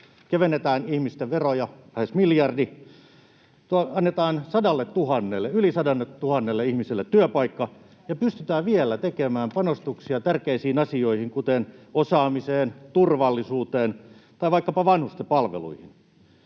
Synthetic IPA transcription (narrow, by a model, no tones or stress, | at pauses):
keʋenːet̪æːnihmist̪eʋʋerojɑlæhesmiljɑrdi | t̪uɑɑnːet̪ɑːnsɑdɑlːet̪t̪uhɑnːelːeylisɑdɑnːet̪tuhɑnːelːeihmiselːet̪tyøpɑikːɑ | jɑpyst̪yt̪æːʋʋielːˑæt̪ekemæːmpɑnost̪uksiɑt̪ærkeisiːnɑsioihiŋkut̪enosɑːmiseːnt̪urʋɑlːisuːt̪eːnt̪ɑiʋɑikːɑpɑʋɑnhust̪epɑlʋḛlṵihin